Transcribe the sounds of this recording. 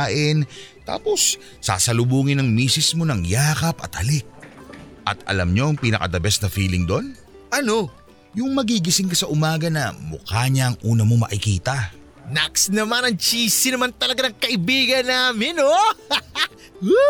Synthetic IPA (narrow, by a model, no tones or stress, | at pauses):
aʔɪnt̪a̰ːpo̞sː | a̰sɐlʊbuːŋɪnɐŋmiːsɪsmo̞nɐŋjaːkɐpɐ̰t̪̚hɐlɪk̚ʔɐ̰t̪ɐ̰lɐ̰mɲo̞ɐŋpinɐ̰kɐ̰d̪ɐbɛsnɐfiːlɪŋd̪o̞n | ʔɐno̞ | jʊŋmɐɡiɡɪsɪŋkɐsɐʔʊmaːɡɐnɐmʊ̰kaːɲɐʔɐŋʔuːnɐmo̞mɐ̰ʔɪkiːt̪ɐ | naksnɐmanɐŋt͡ʃiːsɪnɐmant̪ɐlɐɡanɐŋkɐʔɪbiːɡɐnːaːmɪno̞